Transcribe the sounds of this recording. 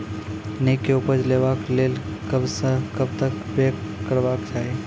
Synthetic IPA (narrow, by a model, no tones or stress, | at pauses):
nekːeupəd͡ʒleʋakleːlkəbsə̃kəbt̪əkbekkːəɾbakt͡ʃaːɦe